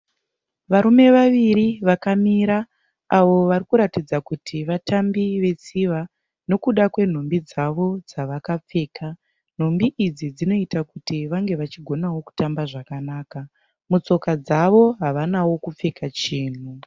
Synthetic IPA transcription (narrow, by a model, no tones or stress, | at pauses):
ʋaɾume̞ʋaʋiɾiʋakamiɾa | aʋo̞ʋaɾikuɾatid͡zakutʰiʋatambiʋe̞t͡siʋa | no̞kuɗakwe̞n̤o̞mbid͡zaʋo̞d͡zaʋakap͡fe̞ːka | n̤o̞mbiʔid͡zid͡zino̞itakutiʋaŋɡe̞ʋat͡ʃiɡʱo̞nawo̞ku̥tambaʐakanaːka | mut͡so̞kad͡zaʋo̞ɦaʋanawo̞kup͡fe̞kat͡ʃiːn̤u